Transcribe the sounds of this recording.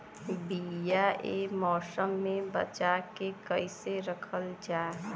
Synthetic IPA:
bijaʔemɔːsəmːẽbə̰t͡ʃakekəiseɾəkʰəld͡ʒaː

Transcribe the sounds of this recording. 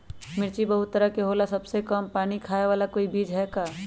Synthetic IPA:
mɪɾt͡ʃibɐɦʊt̪ːəɾəɦkeɦoːlasɐbsekəmpaːnikʰaːeʋaːlakoːibiːd͡ʒɦɛːkaː

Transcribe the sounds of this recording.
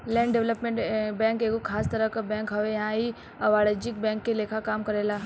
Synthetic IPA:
lɛ̃ːɳɖɛʋləpmẽɳʈbɛ̃ːŋkeːkokʰaːst̪ɐɾəkabɛ̃ːŋkɦɐʋejɐɦãɦi | ɐʋaːled͡ʒɪk̚bɛ̃ːŋkːeleːkʰakaːmkɐɾeːlaː

